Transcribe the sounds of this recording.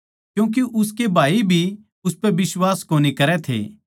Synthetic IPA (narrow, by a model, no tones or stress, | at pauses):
kjũːk̬iʔʊs̬kebʱaːibʱi | ʊspɛbɪswaːskoːnikɐɾɛt̪ʰḛː